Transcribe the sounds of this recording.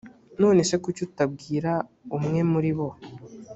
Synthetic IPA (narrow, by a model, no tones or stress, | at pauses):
noːnese̞kucutabɡiːɾa | umŋe̞muɾiβo̞